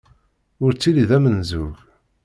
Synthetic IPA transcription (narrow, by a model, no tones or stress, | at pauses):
ʊɾt͡sːiliðæmənzuʝ